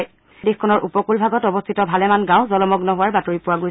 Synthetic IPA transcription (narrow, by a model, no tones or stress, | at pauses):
j | dexkʰɔnɔɹʔupɔkulbʱaɡɔtɔbɔst̪ʰitɔbʱalɛmanɡãʊ̃zɔlɔmɔɡnɔɦʊwaɹbatoɹipʊwaɡoj